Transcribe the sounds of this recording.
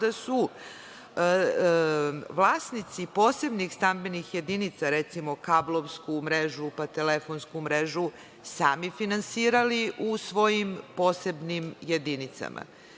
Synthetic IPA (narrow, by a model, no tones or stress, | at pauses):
d̪asu | ʋlˠaːsnit̪sipo̞ːse̞bnixst̪ambenixje̞d̪init̪saɾet̪simo̞kablˠoʋskumɾeʒupat̪elefonskumɾeʒu | saːmifinansiːɾaliʔusʋo̞jimpo̞ːse̞bnimjed̪init̪sa̰mʔa̰